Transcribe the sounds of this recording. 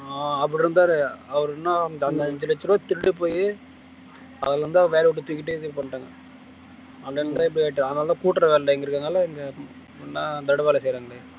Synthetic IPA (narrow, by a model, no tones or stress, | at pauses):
aːɐpːɐɽɪɾɯnd̪aːɾɯɐʋɐɾnːãːɐnd̪ɐɛɲd͡ʒɐlɪt͡ʃːɪɾõːt̪ɪɽɽɯpoːjɯ | ɐðɪlɾɯnd̪aʋeːɾɛɔʈːɯt̪uːkːɪʈːɯðipɐɳːʈːaːŋɡɐ | ɐlɐnd̪aːɪp̬ːɐɽɪeːʈːɯɐðɐnaːlãːkuːʈːɾɐʋeːllɐɛŋɡɐɪɾɯkːaːŋɐlːɐɛŋɡɐ | pnːad̪ɐɽɐʋeːlɐsɛjɾaːŋɡɐle